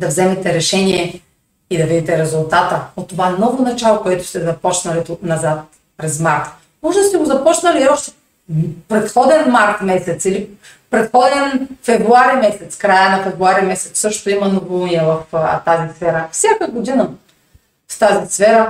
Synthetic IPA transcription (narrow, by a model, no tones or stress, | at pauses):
d̪ɐvzɛmɛt̪ɛɾɛʃɛniɛ | id̪ɐvid̪it̪ɛɾɛzʊlˠt̪at̪əot̪ːovaɛnɔvonɐt͡ʃalˠokoɛt̪ʊ̥st̪ɛzɐpɔt͡ʃnɐlit̪onɐzat̪ | pɾɛzmaɾt̪ | mɔʒɛd̪ɐst̪ɛɡozɐpɔt͡ʃnɐliɔʃt̪ɛ̥ | pɾɛt̪xɔd̪ɛnmaɾt̪mɛsɛt̪sili | pɾɛt̪xɔd̪ɛnfɛvɾuaɾimɛsɛt̪skɾajənɐfɛvɾuaɾimɛsɛ̥t̪ssɤʃt̪oimɐnovolˠuniɛvɐft̪azisfɛɾəfsʲakəɡod̪inɐ | st̪azisfɛɾə